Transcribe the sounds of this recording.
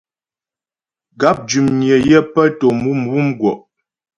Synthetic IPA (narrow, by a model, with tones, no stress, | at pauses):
ɡa˨˦p̚d͡ʒʉ˨mnjə˨jɛ˦pə˦to˨mu˦m̩˨wu˦mɡwɔ˨ʔ